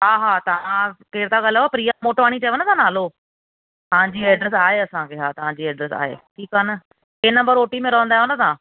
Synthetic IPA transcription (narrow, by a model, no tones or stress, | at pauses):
ɦaːɦaːt̪ɐʋ̤ãkeːɽɪt̪ʰãɡaljaːpɾiːamoːʈʋaːɽ̃it͡ɕɐʋənət̪ʰãːnaːlo | t̪ɐʋãɲd͡ʑiːɛːɖɾes̬aːɦeɐsãkʰeɦaːt̪ɐʋ̤ãɲd͡ʑiːɛːɖɾesa̰ːɦḛːʈʰiːkaːnə | keːnɐ̃mbəɾoːʈimẽɾɐʋə̃nd̪aɦjʋənsã